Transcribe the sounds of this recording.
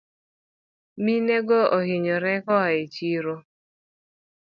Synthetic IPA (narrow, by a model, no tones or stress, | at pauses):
mineɡɔʔɔɦɪɲɔɾɛkɔɦaet͡ʃiɾo